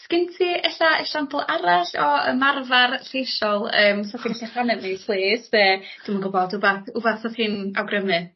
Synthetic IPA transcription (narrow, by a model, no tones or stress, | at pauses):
skɪntʰiʔɛɬaəʃampʰəlˠaɾaɬɔə̰marvarɬejʃɔlˠəːmsɔθiɬaχanɛmipʰlˠeːsɛə | d̥imənɡʊbɔdʊbaθʊvaθsɔθiːnawɡrəmɨ